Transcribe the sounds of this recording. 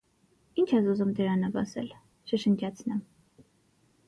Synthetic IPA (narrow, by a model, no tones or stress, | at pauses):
int͡ʃʰɛzuzumd̪əɾɑnɑvɑsɛ̰l | ʃəʃəŋd͡ʒɑt͡sʰnɛm